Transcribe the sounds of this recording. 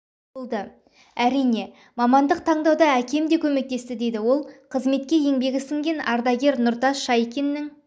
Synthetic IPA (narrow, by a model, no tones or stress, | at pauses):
olˠd̪ə | æɾijne̞ | mɑmɑnd̪əq̚t̪ʰɑɴd̪ɑwd̪ɑækʲe̞md̪e̞kʲʰɵme̞k̚t̪e̞st̪ɪd̪e̞jd̪ɪwo̞lˠqʰəzme̞t̪̚kʲe̞je̞ŋbe̞ɡʲɪsɪŋɡʲe̞nɑɾd̪ɑɡʲe̞ɾnʊɾt̪ɑʃɑjkʲenːɪŋ